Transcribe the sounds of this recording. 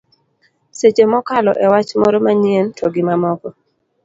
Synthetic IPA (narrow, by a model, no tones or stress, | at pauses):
set͡ʃemɔkalɔ̰ʔɛwat͡ʃmɔɾɔmaɲientʰɔɡɪmamɔkɔ